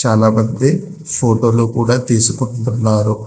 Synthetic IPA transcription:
t͡ʃaːlaːmɐnd̪i | pʰo̞ːʈo̞ːluːkuːɽaːt̪iːsukuɳʈunːaːɾu

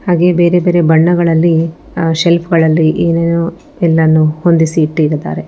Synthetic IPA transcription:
haːɡe̞be̞ːɾe̞be̞ːɾe̞bɐɳːɐɡɐɭɐlːi | ʃelpʰɡɐɭɐlːiʔeːneːnu | ɛlːɐnːuho̞nd̪isiːʈːiːɾd̪a̰ːɾe̞

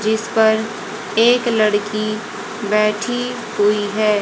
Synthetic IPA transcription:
d͡ʒɪspɐɾ | eːklɐɽki | bɛːʈʰi | ɦuiɦɛː

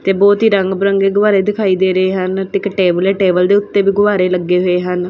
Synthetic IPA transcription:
t̪eːbɔːt̪ɦiːɾəŋɡbɾəŋɡeːɡʊʋaːɾeːd̪ɪkʰaːiːd̪eːɾəeːɦənt̪ɪkʈeːbəleːʈeːbəld̪eːʊt̪ːeːbiːɡʊʋaːɾeːləɡːeːɦoːeːɦən

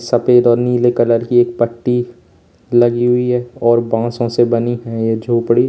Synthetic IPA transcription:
sɐpeːd̪ɔːɾniːlekɐləɾkieːk̚pəʈːi | lɐɡiɦʊiɦɛːɔːɾbãːsõsebɐniɦɛjed͡ʒʱoːpɽi

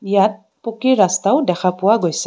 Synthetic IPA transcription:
ijat̚ | pokiɹːastaʊdɛxʰapʊwaɡojsɛ

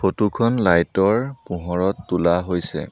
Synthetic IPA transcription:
pʰotukʰɔnlajtɔɹpũɦɔɹɔtːulaɦojsɛ̰

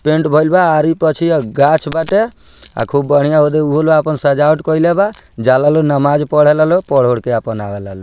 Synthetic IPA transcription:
peɳʈbʱɔjlbaːɾipət͡ʃʰiɡat͡ʃʰbaʈea̰kʰubːəɽ̤ijaɦod̪euɦoloapənsəd͡ʒauʈkɔilebad͡ʒalalonəmad͡ʒpɔɽ̤ɛelalopɔɽ̤oɽkeapənabɛlalo

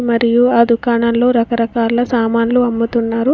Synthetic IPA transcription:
mɐɾijuaːd̪ʱukaːɳɐnlo̞ːɾɐkɐɾɐkaːlɐsaːmaːnluɐmːut̪unːaːɾu

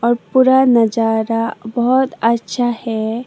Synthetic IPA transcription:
ɔɾpuɾanəd͡ʒaɾabɔɦɔt̪ətːʃʰahɛ

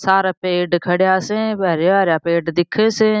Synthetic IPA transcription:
saːɾaːpeːɖkʰəɽjaːsẽːbəːɾeaːɾjaːpeːɖd̪ɪkʰːeːse

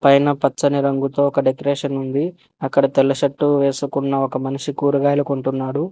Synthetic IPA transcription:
pɐjnɐpɐt͡ʃːɐniɾɐŋɡut̪oːɔkɐɖekɐɾeːʂɐnund̪i | ɐkːɐɽɐt̪ɛlːɐʃɐʈːuʋeːsukunːɐɔkɐmɐniʂikuːɾuɡaːjlɐkuɳʈunːaːɽu

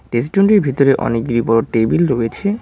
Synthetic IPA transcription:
ɖes̬ʈuɳʈiɾbʱit̪oɾeʔɔ̰nek̚ɡiɾipɔɾoʈebilɾoet͡ɕʰe

